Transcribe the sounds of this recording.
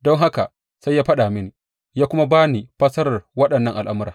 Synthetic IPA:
dɔ˦ŋɦa˦ka˨ | sa˦jːaː˦ɸɐ˦ɗa˨mɪ˦ni˨ | jaː˦kʷʊ˦ma˦baː˦ni˨ɸɐ˦sɐ˦ɾɐ˨rwɐ˦ɗɐ˨nːɐ˦ŋʔa˨lʔa˦mʊ˦ɾaː˨

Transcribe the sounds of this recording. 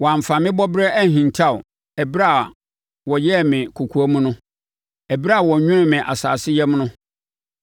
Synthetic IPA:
wɔ˨ã˨m˨fã˨mɪ̃˦bɔ˦bɾɛ˦ʔæ˦˨ɦĩ˨ntʰa˦˨ʊ̰˨ | ɛ˨bɾa˦˨ | wɔ˨jɛ˦˨mɪ̃˨kʰu˨kʰu˨a˦mũ˦nʊ̃˦ | ɛ˨bɪ˦ɾa˦a˨wɔ˨ɲᶣʊ̃˦nʊ̃˦mɪ̃˨ʔa̰˨sa̰ː˨sɪ˦jɛ˦mnʊ̃˦

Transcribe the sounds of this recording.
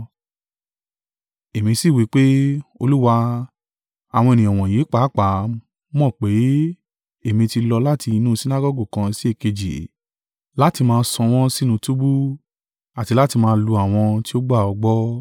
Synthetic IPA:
e˨mĩ˧si˦˨wi˨˦k͡pe˦o˧lu˦wa˧ | a˨w̃ɔ̃˧e˨nĩ˨ɔ˨w̃ɔ̃˨je˨˦k͡paː˨˦k͡pa˨˦ | mɔ̃˦˨k͡pe˨˦ | e˦˨mĩ˧ti˧lɔ˧la˦˨ti˧nũ˦˧si˦na˦ɡɔ˦ɡu˦˨kã˧si˦e˦˨ke˧d͡ʒḭ˨ | la˦ti˧mãː˧˦sɔ̃˧w̃ɔ̃˦si˦nũ˧tu˦bu˦ | a˨ti˧la˦ti˧mãː˧˦˧lu˧a˨w̃ɔ̃˧ti˦o˦ɡ͡ba˦˨ɔ˧ɡ͡bɔ˦

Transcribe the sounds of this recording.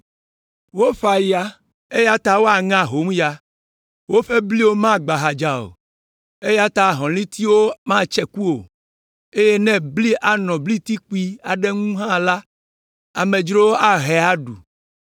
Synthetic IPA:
wo˦ɸa˨ji˦a˨ | e˦ja˦t̪a˦wo˦a˨ŋã˦ɦo˨˦m˦ja˨ | wo˦ɸe˦bli˦wo˦mã˦ɡ͡ba˨ɦa˨d͡ʒa˨o̰˨ | e˦ja˦t̪a˦ɦɔ̃˨lĩ˦t̪i˦wo˦mã˦t͡ʃɛ˨ku˦o˨ | e˦je˦nɛ̃˦bli˦ʔa˨nɔ̃˨bli˦t̪i˦k͡pi˦a˨ɖɛ˦ŋũ˦ɦã˦la˦ | a˨mẽ˨d͡ʒɾo˦wo˦ʔa˦ɦɛ˨a˦ɖu˨

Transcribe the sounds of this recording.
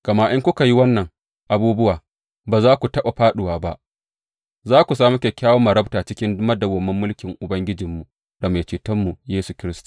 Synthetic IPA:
ka˨ma˦ʔɪ˦ŋkʷʊ˦ka˨ji˦wɐ˦nːɐ˨ŋ | ʔa˨buː˦bʊ˦waː˨ | baː˨zaː˦kʷu˨tɐ˦ɓa˨ɸaː˦ɗʊ˨waː˨ba˦ʔ | zaː˦kʷu˨saː˦mu˦kʲe˨kʲaː˦wo˦mɐ˨ɾɐ˦btaː˨t͡ʃɪ˦kʲɪ˦ndʊ˦mɐ˦dɐ˨ɡʷɐ˨mːɐ˦mːʊ˦lkʲɪ˨ŋʔʊ˨bɐ˦ŋɡʲɪ˦d͡ʒɪ˨mːu˨ʔ | da˨ma˨t͡ʃeː˨tɐ˦mːu˨jeː˦su˨kʲɪ˦ɾɪ˦stḁ˨

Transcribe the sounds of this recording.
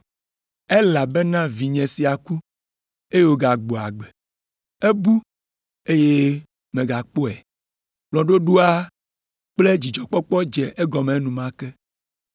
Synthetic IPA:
e˦la˨be˦nã˦vi˨ɲɛ̃˨si˨a˨ku˦ | e˦je˦wo˦ɡa˨ɡ͡bo˨a˨ɡ͡bɛ˨ | e˦bu˦ | e˦je˦ | mẽ˨ɡa˨k͡po˦ɛ˨ | blɔ̃˨ɖo˦ɖu˦a˦ | k͡ple˦d͡ʑi˨d͡ʒɔ˨k͡pɔ˦k͡pɔ˦d͡ʒɛ˨ʔe˦ɡɔ˨mẽ˨˦nũ˨mã˦kɛ˦

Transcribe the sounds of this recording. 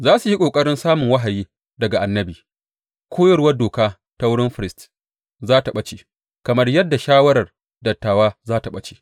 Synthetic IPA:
zaː˦su˨hi˦kʷʼoː˨kʼɐ˦ɽɪ˦nsaː˦mʊ˨ŋwɐ˦ɦa˨jiː˦ | dɐ˨ɡa˨ʔa˨nːɐ˦biː˨ | kʷʰoː˦jɐ˦˨ɾwɐ˦doː˨kaː˦ | ta˦wʊ˦ɽɪ˦mɸɪ˨ɾɪ˦st | zaː˦ta˨ɓɐ˦t͡ʃeː˨ | kɐ˨mɐ˦rjɐ˦dːa˨ʃaː˦wɐ˦ɾɐ˨r | dɐ˨tːaː˨waː˦zaː˦ta˨ɓɐ˦t͡ʃe̥̰ː˨

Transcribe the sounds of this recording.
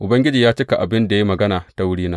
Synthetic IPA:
ʔʊ˨bɐ˦ŋɡʲɪ˦d͡ʒiː˨jaː˦t͡ʃɪ˦ka˨ʔa˨bɪ˦nda˨ji˦mɐ˨ɡɐ˦naː˨ta˦wʊ˦ɽiː˦naː˦

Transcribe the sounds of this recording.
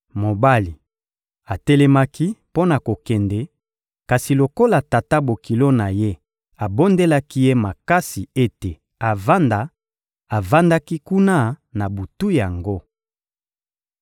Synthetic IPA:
mo˨ba˦li˨ | a˨tɛ˦lɛ˦ma˦ki˦po˦na˨ko˨kɛ˨ndɛ˨ | ka˨si˨lo˨ko˦la˨ta˨ta˦bo˨ki˨lo˦na˨je˦ | a˨bo˦nde˦la˦ki˦je˦ma˨ka˦si˨e˦te˨ | a˨va˦nda˨ | a˨va˦nda˦ki˦ku˦na˦na˨bu˨tu˦ja˨ŋɡo˦

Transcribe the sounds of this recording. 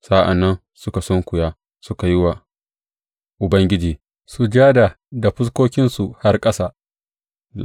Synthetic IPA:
sa˦ʔa̰˨nːɐ˦n | sʊ˦ka˨sɔ˦ŋkʷʊ˨jaː˦ | sʊ˦ka˨jɪ˦wa˨ | ʔʊ˨bɐ˦ŋɡʲɪ˦d͡ʒiː˨ | su˨d͡ʒaː˦da˨ | da˨ɸʊ˦s̬kʷoː˦kʲɪ˦nsu˨ha˦rkʼɐ˦saː˦

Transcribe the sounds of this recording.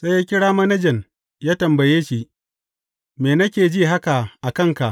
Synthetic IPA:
se˦jaː˦kʲɪ˦ɽaː˦ma˦nɐ˦d͡ʒɛ˨n | jaː˦tɐ˨mbɐ˨jeː˦ʃi˦ | meː˨nɐ˦kʲeː˨d͡ʒi˦ɦa˦ka˨ʔa˨kɐ˦˨ŋka˨ʔ

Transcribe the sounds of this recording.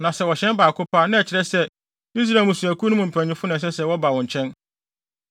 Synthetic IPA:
nã˨sɛ˦wɔ˨ɕɛ̃˦nbaː˨kʰʊ˦pʰaː˦nʊ̃˦ɛ˨t͡ɕʰɪ˨ɾɛ˦sɛ˦ | i˦s̬ɾa˨mũ˨su˨æ˨kʰu˦nʊ̃˦mʊ̃˨m̩˨pʰæ̃˨ɲɪ̃˦fʊ˦nʊ̃˨s̬ɛ˦sɛ˨wɔ˦ba˨wɔ̃˨ɲ˨t͡ɕʰɛ̃˦n

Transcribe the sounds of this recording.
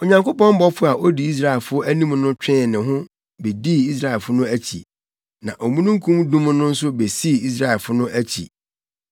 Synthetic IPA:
o˨ɲã˨ŋko˦pɔ̃˦m˦bɔ˦fʊ˦a˨ʔo˦di˨i˦s̬ɾa˦˨ɛ˨lfʊ˦æ˦nĩ˦mnʊ̃˦t͡ɕᶣɛ̃˦˨nɪ̃˨ɦʊ̃˦ | be˨di˦i˦s̬ɾa˦˨ɛ˨lfʊ˦nʊ̃˦æ˦t͡ɕʰḭ˨ | nã˨ʔo˨mũ˦nũ˦ŋ̩˦kʰũ˦mdũ˦m˦nʊ̃˦n̩˦sʊ˦be˨si˦˨i˦s̬ɾa˦˨ɛ˨lfʊ˦nʊ̃˦ʔæ˦t͡ɕʰḭ˨

